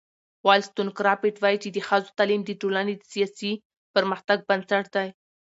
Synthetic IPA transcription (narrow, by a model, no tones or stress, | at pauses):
wɑlst̪ʊnkɾɑpɪʈwɑjit͡ʃed̪əxəzot̪alimd̪əʈolaned̪əsijɑsi | pəɾməxt̪aɡ̚bansaʈd̪aj